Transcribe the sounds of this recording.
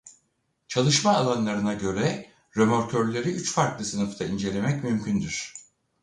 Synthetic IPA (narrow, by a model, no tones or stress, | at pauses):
t͡ʃʰalˠɯʃmaːlˠanlˠaɾɯnaɟø̞ɾɛ | ɾømoɾcʰøɾlʲe̞ɾiyt͡ʃfaɾklˠɯsɯnɯft̪ʰaind͡ʒe̞lʲe̞mɛcmymcʰynd̪yɾ̝̥